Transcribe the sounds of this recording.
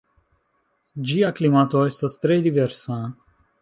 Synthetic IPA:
d͡ʒijaklimat̪ojsəst̪ɾed̪iveɾsã

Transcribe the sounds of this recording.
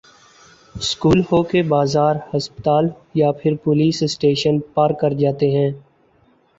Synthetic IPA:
skuːlhoːkebaːzaːɾhəspət̪aːl | japʰɪɾpʊliːssʈeːʃənpaːɾkəɾd͡ʒaːt̪eɦɛ̃ː

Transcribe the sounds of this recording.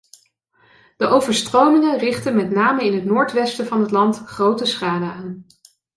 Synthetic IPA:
d̥əʔowvəɹstrowmɪŋərɪχtənmɛtnaːməɪnɦətnʊːɹtʋɛstəvɑnɦətlɑntχrowtəsχaːdəaːn

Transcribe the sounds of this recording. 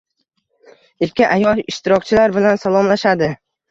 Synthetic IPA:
ɪɾkʲʰɪʔajɒlˠɪʃt̪ɪɾɒk̚ʲt͡ʃʰɪlaɾbɪlansalˠɒmlaʃad̪ɪ

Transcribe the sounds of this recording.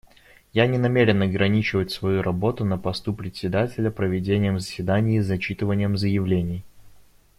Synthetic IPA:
janʲɪnɐmʲeɾʲɪnɐɡɾɐnʲit͡ɕɪvətʲsvɐjuɾɐbo̞t̪ʊnəpɐst̪upɾʲɪt̪ʲsʲɪd̪atʲɪlʲəpɾəvʲɪdʲenʲɪjəmzəsʲvʲɪd̪anʲɪjzɐt͡ɕit̪ɨvənʲɪjəmzəjɪvlʲenʲɪj

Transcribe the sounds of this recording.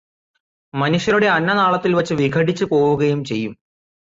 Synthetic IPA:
mɐnuʂjɐɾuɽe̞ɐnːɐnaːɭɐt̪ːilʋɐt͡ɕːɨʋiɡʰʱɐʈit͡ɕːɨpo̞ːwuɣɐjumt͡ɕe̞jːum

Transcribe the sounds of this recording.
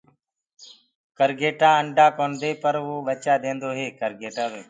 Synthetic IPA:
kəɾɡeːʈãːəɳɖʱaːkoːnd̪eːpəɾʋoːʋət͡ʃaːd̪ẽːnd̪oːɦeːkəɾɡeːʈãːʋeː

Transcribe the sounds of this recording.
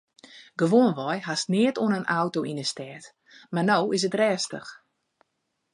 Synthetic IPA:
ɡ̥əʋoːnʋɔjhastnɪətoənənawtoʔinəstɛːt | marnowɪs̬ətrɛːstə̰x

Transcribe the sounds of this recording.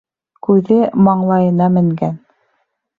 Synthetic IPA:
kʉðɘmɑɴlˠɑjɤ̆nɑmɘ̆ŋɡæn

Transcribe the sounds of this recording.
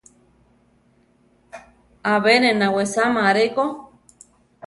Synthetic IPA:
aβenẽnawesamaɾeko

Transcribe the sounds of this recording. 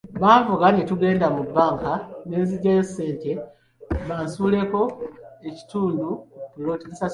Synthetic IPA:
βaːɱvuɡanituɡe̞ːndamubːaːŋkane̞ːziɟajesːe̞ːnte̞ | βaːnsuːle̞ko̞e̞ci̥tuːndukuloːtinisa

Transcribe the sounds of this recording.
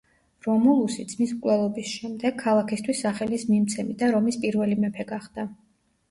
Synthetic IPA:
ɾɔmulˠusid̪zʰmismkʼlɛlˠɔbisʃɛmd̪ɛɡ̚ʰalˠakʰist̪ʰwisːaχɛlismimt̪sʰɛmid̪aɾɔmispʼiɾvɛlimɛpʰɛɡaχd̪̥a

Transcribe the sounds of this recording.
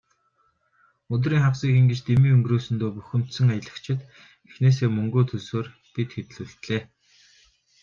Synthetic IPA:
ɵt̪̬riːŋχawsiːxĭŋɡet͡ɕt̪emiːŋɵŋɡroːsɵ̆nt̪oːpuxɵ̆m̥t̪sɵ̆ŋajə̆ɮə̆kt͡ɕʰɪ̆t̪ | exneːs̬eːmɵŋɡoːt̪ʰɵsoːr | pit̪xet̪̆ɮuːɬt̪ɮeː

